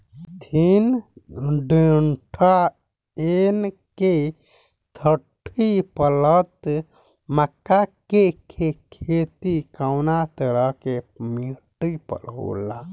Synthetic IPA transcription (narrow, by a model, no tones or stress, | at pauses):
t̪ʰin | ɖeɳʈʰa | en | ke | t̪ʰəʈʰːipələt̪ | məkːakekʰekʰet̪ikawnat̪əɾəkemiʈipə̰lɦo̰la